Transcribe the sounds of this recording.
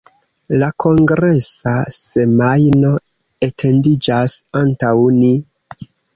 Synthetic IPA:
lakʰo̞ŋɡɾe̞sase̞majno̞ | e̞tʰe̞ndid͡ʒasantawni

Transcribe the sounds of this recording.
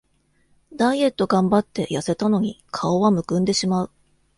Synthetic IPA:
d̪aie̞t̪ːo̞ɡãmbat̪ːe̞jase̞t̪ano̞ɲ̟ikʰao̞βamɯ̟kɯ̟̃nd̪e̞ɕimaɯ̟

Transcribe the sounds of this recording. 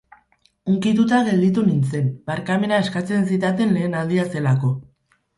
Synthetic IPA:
uŋkit̪ut̪aɣe̞ld̪it̪unint͡se̞nbaɾkame̞nae̞skat͡se̞nsit̪̬at̪̬e̞nle̞ːnald̪iase̞lako̞

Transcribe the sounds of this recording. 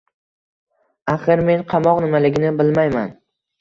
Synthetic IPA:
aχɨɾme̞nqʰɑmɒqnɪmalɪɡʲɪnɪbɪlmajman

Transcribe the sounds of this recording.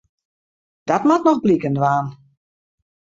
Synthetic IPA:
d̥ɔtmatnɔxblikəndʋaːn

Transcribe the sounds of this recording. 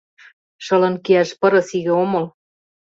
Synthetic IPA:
ʃɤ̆lɤ̆nkiæʃpɤ̆ɾɤ̆siɣĕomɤ̆l

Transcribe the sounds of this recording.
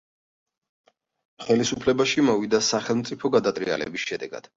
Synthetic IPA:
χɛlisupʰlɛbaʃimɔvid̪asaχɛlˠmt̪sʼipʰɔɡad̪at̪ʼɾia̰lɛ̰bisʃɛd̪ɛɡa̰d̪̥

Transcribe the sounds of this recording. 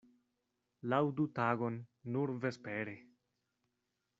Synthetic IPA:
lawdutaɡo̞nːuɾve̞speɾe

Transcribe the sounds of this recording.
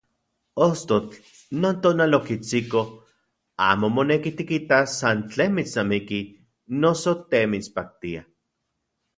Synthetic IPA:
ost̪ot͡ɬ | noːnt̪oːnalokit͡siko | a̰ːmomonekit̪ikit̪asant͡ɬeːnmit͡snamiki | nosot̪emit͡spak̚t̪ia

